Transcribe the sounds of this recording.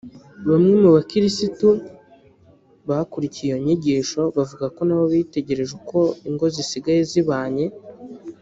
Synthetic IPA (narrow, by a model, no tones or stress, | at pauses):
βamŋemuβakiɾisitu | βaakuɾicijoɲiɟiːʃo̞βavuɡako̞naβo̞βite̞ɟe̞ɾe̞ʒeko̞iŋɡo̞zisiɡajeziβaːɲe̞